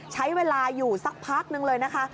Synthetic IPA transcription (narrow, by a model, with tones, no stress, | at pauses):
t͡ɕʰa˦˥jweː˧laː˧juː˨˩sa˨˦˩k̚pʰaː˦˥k̚nɯ˧ŋlɤː˧jna˦˥kʰa˦˥